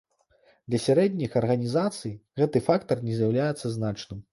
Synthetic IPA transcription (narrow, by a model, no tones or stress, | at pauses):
d̪lʲɐsʲaɾɛd̪ʲnʲixɐrɣɐnʲizat̪sɨjɣɛt̪ɨfakt̪ɐrnʲɛzʲjawlʲajɛt̪sɐznat͡ʂnɨm